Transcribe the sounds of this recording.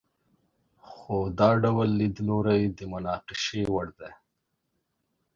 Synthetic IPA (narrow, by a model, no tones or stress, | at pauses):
xod̪ɑɖawlːid̪loɾajd̪əmʊnɑːqɪʃewaɽd̪e